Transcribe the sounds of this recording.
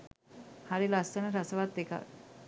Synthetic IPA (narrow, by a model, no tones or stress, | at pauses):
haɾelast̪ənəɾasəʋat̪̚d̪ekʰa̰